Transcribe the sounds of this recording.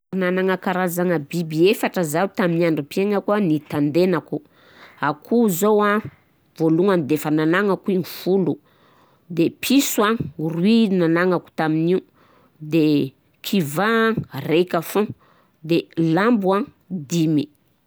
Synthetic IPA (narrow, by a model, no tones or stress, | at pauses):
nanaŋakaɾazaŋəbibiefaʈ͡ʂəzaut̪aminaɳɖ͡ʐupieŋəkuanit̪and̪enaku | akʰuzowa | voluŋanid̪efanalaŋakuiŋifulu | d̪epʰisuaŋrwinanaŋaku̥t̪aminiu | d̪e | kʰivarekafõ | d̪elambua | d̪imi